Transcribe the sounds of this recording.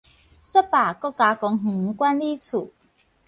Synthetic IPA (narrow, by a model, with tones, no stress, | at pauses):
sə˥paː˨˩kɔ˥ka˨˥kɔ˨˦ŋɦ̩˨˩ŋ̩˨˦kwa˦˥nli˦t͡sʰu˨˩